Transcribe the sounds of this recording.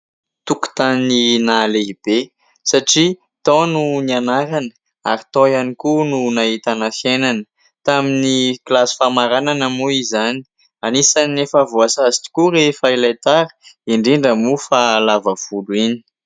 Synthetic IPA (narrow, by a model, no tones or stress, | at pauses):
t̪uku̥t̪anninaleɦib̥e | saʈ͡ʂi | t̪ɔ̃nunianaɾanə̥ | a̰ɾit̪ojanikununaɦit̪anafjenanə̥ | t̪aminiklasi̥famaɾananamuizani̥ | anisanefəvuasazi̥ʈ͡ʂi̥kuɾefailajt̪aɾə̥iɳɖ͡ʐiɳɖ͡ʐəmufalavəv̥uluini̥